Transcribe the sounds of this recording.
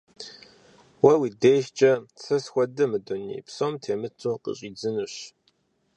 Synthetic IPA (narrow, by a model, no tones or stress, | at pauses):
wɐwideːjʒt͡ʃʼɐsɐsxʷɔdɨmɨdonḭːpsomtʰeːmɨt͡sʰʼuːqə̰ɕʼiːd͡zɨnɨɕ